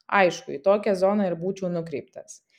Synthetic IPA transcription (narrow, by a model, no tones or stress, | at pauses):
ɐɪʃkʊit̪oːkʲɛzɔːnɐɪɾbuːt͡ʃʲɛʊnʊkɾʲɛɪp̚t̪ɐs